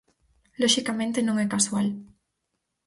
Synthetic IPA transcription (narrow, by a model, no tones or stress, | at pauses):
loʃikamẽnt̪enõŋɛkaswal